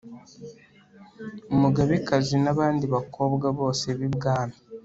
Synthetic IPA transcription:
umuɡaβikazinaβaːndiβakʰo̞bɡaβo̞ːse̞βibɡaːna

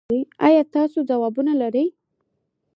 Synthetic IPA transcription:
əjɑjɑt̪ɑsod͡zawɑbunalaɾəj

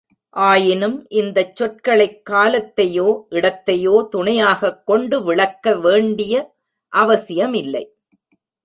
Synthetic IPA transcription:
ʔaːjɪnɯmʔɪnd̪ɐt͡ʃːɔʈ̚kɐɭɐɪkːaːlɐt̪ːɐjoːʔɪɽɐt̪ːɐjoːt̪ʊɳɐjaːɣɐkːɔɳɖɯʋɪɭɐkːɐʋeːɳɖɪjɐ | ʔɐʋɐsɪjɐmɪlːɐɪ

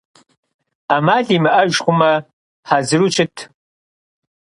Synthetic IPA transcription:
amaɮimɨʔaʒχʷʊmɐ | ħazrut͡ʃʰɪtʰ

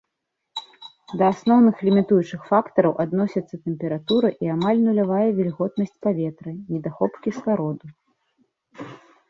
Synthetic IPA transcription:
d̪ɐasnɔwnɨxlʲimʲit̪ujut͡ʂɨxfakt̪ɐɾɐwʔad̪nɔsʲɐt̪sːɐt̪ɛmʲpʲɛɾat̪uɾɨʔiamalʲnulʲavajɛvʲɛlʲɣɔt̪nɐsʲt͡sʲpavʲɛt̪ɾɨnʲid̪axɔpkʲiskaɾɔd̪u

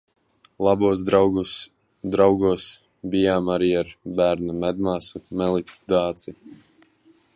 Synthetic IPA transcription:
lˠabuːs̬d̪ɾawɡu | d̪ɾawɡuɔs | bijaːmaɾiːaɾbæːɾnamɛd̪maːsumɛlˠit̪d̪aːt̪si

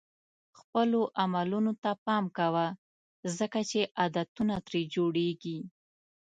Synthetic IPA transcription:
xpəloʔamalunot̪apɑmkawa | zəkat͡ʃeʔad̪at̪unat̪ɾed͡ʒoɽeɡi

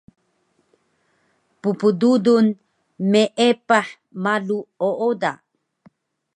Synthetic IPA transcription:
pupududun | meʔepaħ | maluoʔoda̰

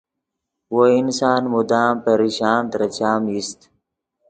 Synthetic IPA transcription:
woinsaːnmud̪aːmpeɾiɕaːnt̪ɾɐt͡ɕaːmist̪

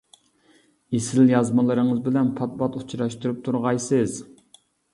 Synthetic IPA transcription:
esɪljɑzmɑlˠɨɾəŋɨzbɪlɛnpʰɑt̪̚bɑt̪u̥t͡ʃʰɾɑʃt̪uɾɨp̚t̪ʰuɾʁɑjsɨz

